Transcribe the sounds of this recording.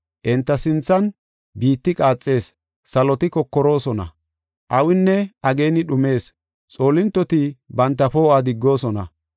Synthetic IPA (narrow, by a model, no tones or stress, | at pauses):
ʔɛnt̪ːɐsɪnt͡sːɐn | biːt̪ːɪkʼaːt͡sʼːe̞ːs | sɐlɔt̪ɪkɔkːɔɾo̞ːsɔnɐ̰ | ʔɐwɪnːɛʔɐɡe̞ːnɪɗʊme̞ːs | t͡sʼo̞ːlɪnt̪ːɔt̪ɪbɐnt̪ːɐfoːaːd̪ɪɡːo̞ːsɔnɐ̰